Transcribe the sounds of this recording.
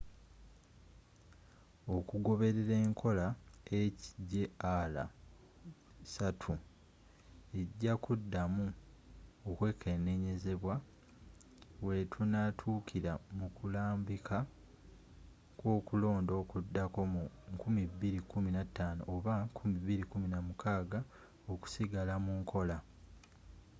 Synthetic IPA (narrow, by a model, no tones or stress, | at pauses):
o̞kuɡo̞βe̞ɾe̞ɾe̞ːŋkʰo̞laeciɟe̞ala̰ | satʰu | e̞ɟːakudːamu | okwe̞ːkʰe̞ne̞ɲe̞ze̞βwa | we̞tʰunatʰuːkʰiɾamukulaːmbikʰa | kwo̞ːkulo̞ːndo̞kudːako̞mu | ŋkumiβiɾikuminatːaːno̰ʔoβakʰumiβiɾikuminamukʰaːɡa | oku̥siɡalamuːŋkʰo̞la